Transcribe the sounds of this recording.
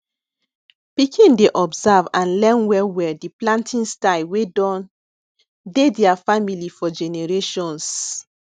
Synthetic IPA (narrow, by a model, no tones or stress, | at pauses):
pikʰĩndeʔɔbzavãnlɛ̃nwɛwɛdiplãntʰĩnstalwedɔ̃n | dediafamilifɔd͡ʒɛneɹeʃɔ̃ns